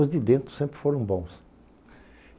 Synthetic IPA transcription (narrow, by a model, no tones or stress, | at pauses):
ʊzd̪ɪd̪ẽnt̪ɾʊ̥sẽmpɾɪfoɾɐ̃w̃bõw̃s